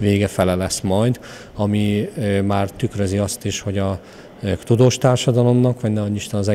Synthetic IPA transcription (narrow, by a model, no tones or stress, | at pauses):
veːɡɛfɛlɛlɛsmɒjd̪ | ɒmimaːrt̪ykrøziɒst̪iʃho̞ɟɒ | t̪ud̪oːʃt̪aːrʃɒd̪ɒlo̞mnɒkʋɒɟnɛɒɲːiʃt̪ɛnɒzɛ